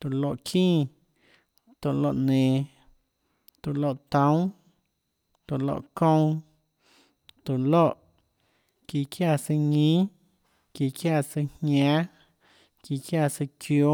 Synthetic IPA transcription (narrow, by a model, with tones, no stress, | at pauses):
t̪u˨lo˧˨ʔkʰĩː˦ | t̪o˧˨lo̰˧˨ʔnẽː˨ | t̪u˨lo̰˧ʔt̪õ˦w̃ | t̪u˨lo̰˧ʔkõ˦w̃ | t̪u˨lo˦˨ʔ | ki˧˨kja˦˨sɨ˧ɲĩ˦ | ki˧kja˦˧˨sɨ˧hɲãː˦ | ki˧kja˦˨sɨ˧kjo˧˦